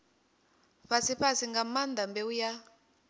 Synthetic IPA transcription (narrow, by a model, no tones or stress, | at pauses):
ɸasiɸasiŋɡamand̪ambɛuja